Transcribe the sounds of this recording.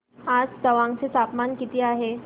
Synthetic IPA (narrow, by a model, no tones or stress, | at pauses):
ad͡zd̪əʋãŋt͡set̪apmankit̪iaɦe